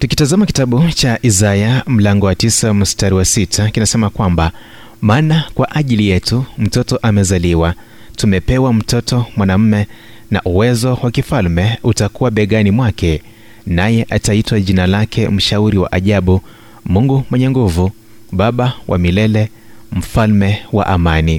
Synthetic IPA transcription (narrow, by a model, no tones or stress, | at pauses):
tukitazamaki̥taɓut͡ʃaʔizajam̩laŋɡɔwatisamustaɾiwasitʰakinasɛmakwamba | maːnakwaʔaʄilijɛtum̩tɔtɔʔamɛzaliwa | tumɛpɛwam̩tɔtɔmwanam̩mɛ | na̰ʔuwɛzɔwakifalmɛutakuwaɓɛɠanimwakɛ | najɛʔataitwaʄinalakʰɛm̩ʃauɾiwa̰ʔaʄaɓu | muŋɡumwɛɲɛŋɡuvu | ɓaɓawʔa̰milɛlɛ | m̩falmɛwa̰ʔamani